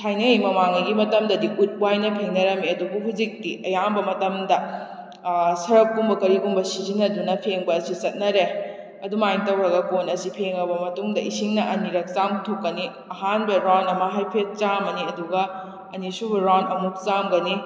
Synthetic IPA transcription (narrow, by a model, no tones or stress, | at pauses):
tʰajnɐjmɐmaŋɐɡimɐtɐmdɐdiʔut̚wajnɐpʰeŋnɐɾɐmiɐdubuɦud͡ʒik̚tiʔɐjambɐmɐtɐmdɐ | sɐɾɐkːumbɐkɐɾiɡumbɐsizinːɐdunɐpʰeŋbɐːsit͡ʃɐt̚nɐɾe | ɐdumajmtɐwɾɐɡɐkonɐsipʰeŋɐbɐmɐtuŋdɐʔisiŋnɐʔɐniɾɐk̚t͡ʃamtʰokːɐni | ɐɦanbɐɾanɐmɐɦajpʰet̚t͡ʃamɐniɐduɡɐ | ɐnisubɐɾanɐmuk̚t͡ʃamɡɐni